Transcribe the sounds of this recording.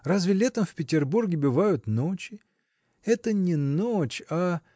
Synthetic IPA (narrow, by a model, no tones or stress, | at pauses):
razvʲɪlʲeɛt̪əmfpʲɪtʲɪrburɡʲɪbɨvajʊt̪not͡ɕɪ | ɛt̪ənʲɪnot͡ɕa